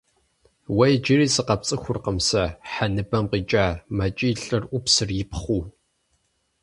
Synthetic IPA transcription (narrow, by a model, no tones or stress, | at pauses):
wɐjd͡ʒɪriːsʼɨqɐpt͡sʼɨxʷʊrqəmsɐħanɨbɐmqiːt͡ʃʼaːmɐt͡ʃʼiːɬʼɨrʔʷʊpsɨrjɪpχʷuː